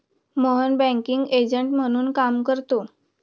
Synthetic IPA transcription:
məɦənbæ̃ŋkiŋɡed͡ʑəɳʈm̤əɽ̃uːnkamkəɾt̪o

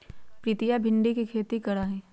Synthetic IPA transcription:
pɾiːt̪ijabʱɪ̃ɳɖikikʰeːt̪ikɐɾaːɦɛ̃ː

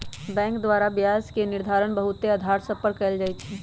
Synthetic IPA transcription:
bɛ̃ːŋkd̪waːɾabjaːskenɪɾd̪ʱaːɾənbəɦʊt̪ːeəd̪ʱaːɾsəpəɾkːəld͡ʒaːit͡ʃʰi

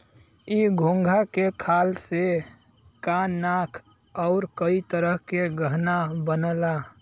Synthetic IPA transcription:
iɡʱõŋɡʱakekʰaːlse | kanːakʰ | ɔʊɾkəit̪əɾəɦkeɡəɦnabənəla

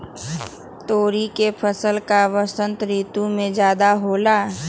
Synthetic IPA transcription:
t̪oːɾikepʰəsəlkaʋəsə̃nt̪ɾiːt̪umẽd͡ʒjaːd̪aɦoːla

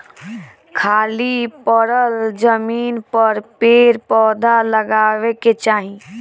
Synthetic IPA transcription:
kʰaːlipəɾəld͡ʒəmiːnpəɾpeːɾpɔːd̪ʱaləɡaːʋeket͡ʃaːɦĩ

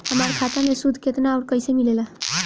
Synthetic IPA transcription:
həmaɾkʰat̪amesud̪ʱket̪naɔːɾkəjsemilela

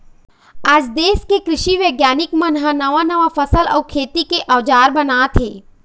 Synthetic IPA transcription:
aːd͡ʒd̪eːskekɾɪʃiʋeːɡjaːnɪkmɐ̃nɦãnɐʋanɐʋafʰɐsəlɔːkʰeːt̪ikeʔɐːd͡ʒaːɾbɐnaːt̪ʰeː

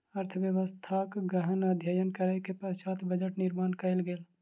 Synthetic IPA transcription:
əɾt̪ʰəʋjəʋəst̪ʰaːkɡəɦənɐd̪ʱjaːjənkəɾəjkepɐʃaːt̪bəd͡ʒəʈnɪɾmaːnkɐɪlɡeːl

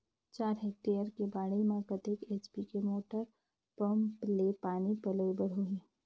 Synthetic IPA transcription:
t͡ʃaːɾɦeːk̚ʈejəɾkebaːɽəmẽkət̪ekeːt͡ʃbikemoːʈəɾ | pə̃mplepaːnipələjbəɾɦʊĩː

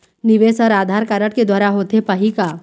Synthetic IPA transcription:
nɪʋeːsɔːɾaːd̪ʱaːɾkaɾəʈked̪waːɾaɦoːt̪epɐɦika

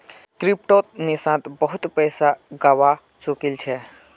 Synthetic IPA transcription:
kɾip̚ʈot̪̚nisãt̪bəɦut̪pəjsaɡawa | t͡ʃukilt͡ʃʰɛ

